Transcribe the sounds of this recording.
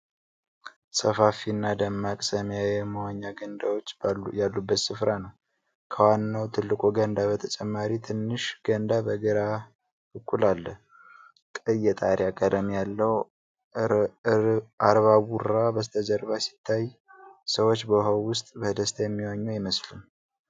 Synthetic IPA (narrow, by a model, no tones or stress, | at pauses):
səfafinːad̪əmːakʼsəmjajɛməwaɲːaɡənd̪awot͡ʃːjalːubːət̪sɨfɾanəw | kʰəwanːawt̪ʰɨlːɨkʼoɡənd̪abət̪ʰət͡ʃʼɛmːaɾit̪ʰɨnːɨʃɡənd̪abəɡəɾa | bɨkʰʼːulalːəh | kʼɨjɛt̪ʼaɾjakʼəd̪əmjalːəw | aɾβaβuɾabəst̪ʰəzəɾbasi̥t̪ʰːajsəwot͡ʃːbəɦowːʊst̪ʼbəd̪əst̪ʰajɛmːiwaɲːujɪməslun